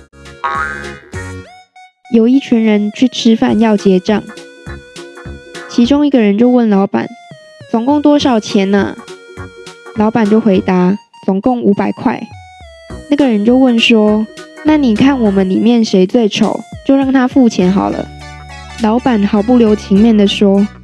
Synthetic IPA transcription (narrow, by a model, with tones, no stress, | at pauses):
jo˨˩ʊi˥˩t͡ɕʰi˧˥nɻə˧˦nt͡ɕʰy˥˩ʈ͡ʂʰɻ̩˥fa˥˧˨njɑ˥˩ʊt͡ɕjɛ˧˥ʈ͡ʂɑ̰˥˩ŋ | t͡ɕʰi˧˥ʈ͡ʂʊ˥ŋi˧˥ɡə˨ɻə˧˦nt͡ɕjo˥˧ʊwə˥˩nlɑ˧˥ʊpa̰˨˩˦n | t͡sʊ˨˩ŋkʊ˥˧˩ŋt̪wɔ˥ʂɑ˨˩ʊt͡ɕʰjɛ˨˧˥nə̰˧ | lɑ˧˥ʊpa˨˩nt͡ɕjo˥˩ʊxwe˧˥ɪt̪a˧˦ | t͡sʊ˨˩ŋkʊ˥˩ŋu˧˥pa˨˩ɪkʰwa˥˩ɪ | na˥˩ɡə˨˩ɻə˧˦nt͡ɕjo˥˧ʊwə˥˩nʂwɔ˥na˥˩ni˨˩kʰa˥˩nwɔ˨˩mə˨˦nli˨˩mjɛ˥˨nʂe˧˥ɪt͡swe˥˩ɪʈ͡ʂʰo̰˨˩˦ʊt͡ɕjo˥˧ʊɻɑ˥˩ŋt̪ʰa˥fu˥˩t͡ɕʰjɛ˧˥nxɑ˨˩ʊlə̰˦ | lɑ˧˥ʊpa˨˩˦nxɑ˨˩ʊpu˥˩ljo˧˥ʊt͡ɕʰi˧˥ŋmjɛ˥˩nd̪ə˩ʂwɔ˥